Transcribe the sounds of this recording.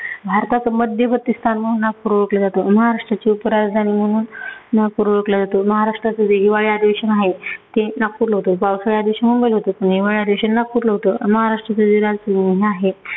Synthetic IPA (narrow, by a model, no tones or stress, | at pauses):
bʱaɾt̪akəməd̪ʱjəbət̪ːist̪ʰanmə̃uːnːak̚puɾʋɭəklad͡zat̪oməɦaɾaʂʈɾat͡ɕiupəɾaɾd̪ʱañiːm̤əɽ̃uːnːapuɾuʋɭəklad͡zat̪oməɦaɾaʂʈɾat͡səd͡zeɦiʋaɭiad̪iʋeɕənaɦet̪enakːuɾləɦot̪opawsəɭad̪iʋeɕənmumbəjlɦot̪opəɳɦiʋaɭiad̪iʋeɕənːakuɾləɦot̪oməɦaɾaʂʈɾat͡sad͡ziɾad͡zsuɦeaɦe